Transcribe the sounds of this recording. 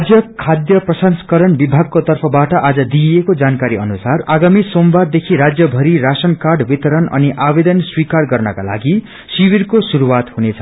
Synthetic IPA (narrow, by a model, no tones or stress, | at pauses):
d͡zjʌkʰːad̪jʌprʌsʌnskʌɾʌnbibʱaɡ̚kot̪ʌrpʰʌbaʈʌʔad͡zʌd̪iekod͡zankaɾiʌnusaraɡamisombard̪ekʰiɾad͡zjʌbʱʌɾiɾasʌnkarɖbit̪ʌɾʌnʌ̰niʔabed̪ʌnswikarɡʌrnʌkala̰ɡi | siwirkosuɾuwat̪hunet͡sʰʌ